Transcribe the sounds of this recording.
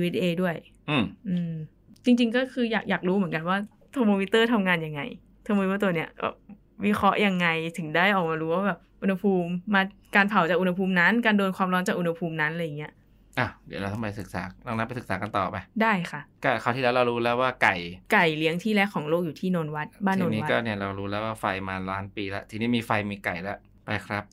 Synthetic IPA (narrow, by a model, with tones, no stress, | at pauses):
wi˦˥d̪ʔeː˧du˥˩əj | ʔɯː˧˩ʔɯː˧ | t͡ɕi˧ŋt͡ɕi˧ŋkɔː˥˩kʰɯː˧jaː˨˩k̚jaː˨˩k̚ɾuː˦˥mɯ˨˩˦nka˧nwaː˥˩ | t̪ʰoː˧moː˧wi˦˥t̪ɤː˥˩t̪ʰa˧mŋaː˧nja˧ŋːa̰˧j | t̪ʰoː˧mo˧i˦t̪ːɤː˥˩u˧ni˦˥ɐbɛ̰ː˨˩p̚ | wi˦˥kʰɾɔ˦˥ʔja˧ŋːa˧jt̪ʰɯ˩˦ŋdaː˥˩jʔɔː˨˩k̚maː˧ɾuː˦wa˥˩bɛː˨˩p̚ʔu˧nha˧pʰuː˧mːaː˧ | kaː˧npʰa˨˩˦wt͡ɕa˨˩k̚ʔu˧nha˧pʰuː˧mna˦˥nkaː˧ndoː˧nkʰwaː˧mɾɔː˦˥nt͡ɕaː˨˩kʔu˧nha˧pʰuː˧mna˦˥nʔla˧ja˨˩ŋːi˦˥ɐʔ | ʔa˨˩dɯ˨˦ɾa˧wt̪ʰa˧mpa˧jsɯ˨˩k̚saː˩˦nː˧˥˧ŋna˦˥pa˧jsɯ˨˩k̚saː˩˦ka˧nt̪ɔ̰ː˨˩pa˧jdaː˥˩jkʰa˥˩kɔ˥˩kʰa˧˩t̪ʰiː˧lɛː˦˥ɾa˧wɾuː˦˥lɛː˦˥waː˥˩ka˨˩jka˨˩jli˦əŋt̪ʰiː˥˩lɛ˦˥kʰːɔː˩˦ŋloː˥˩k̚juː˨˩t̪ʰiː˥˩noː˧nwa˦˥t̪̚baː˥˨nnoː˧niː˦˧˦ɔː˥˩ni˥˩ɐɾa˧wɾuː˦˥lɛː˦˥waː˥˩fa˧jmaː˧laː˦˥npiː˧la˦˥t̪ʰiː˧niː˦˥miː˧fa˧jmiː˧ka˨˩jla˦˥ | pa˧jkʰɾa˦˥p̚